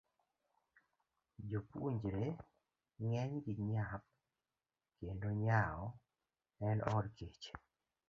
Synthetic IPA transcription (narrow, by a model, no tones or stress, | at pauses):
d͡ʒopṵɲd͡ʒɾe | ŋɛɲɡɪɲap̚ | kendoɲaɔ | ɛnɔɾket͡ʃ